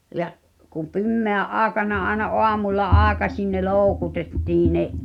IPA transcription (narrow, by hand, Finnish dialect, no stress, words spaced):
jɑʔ kum̆ pimːeæʔ ʔɑːĕkɑnɑ ɑenɑ ʔoɑmulːɑ ʔɑːĕkɑsʲin ne loːŭkutetːiː neʔ